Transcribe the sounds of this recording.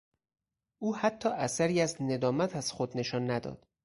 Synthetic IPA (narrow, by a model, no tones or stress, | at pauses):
ʔuːhæt̪ʰːɒːʔæsæɾiːæzne̞d̪ɒːmæt̪ʰæz̥xod̪ne̞ʃɒːnːæd̪ɒ̰ːd̪̥